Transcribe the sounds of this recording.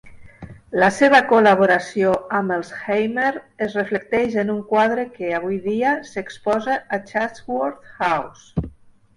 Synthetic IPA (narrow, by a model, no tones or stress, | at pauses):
laseβ̞əkolaβ̞oɾasioaməlˠsxejmeɾəzreflək̚t̪ɛʒenuŋkwað̞ɾəkeaβ̞ujðiasekspɔzaːt͡ʃatwoɾt̪xaws